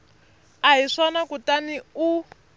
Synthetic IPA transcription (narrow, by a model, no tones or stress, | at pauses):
aɦiʂanakutaniu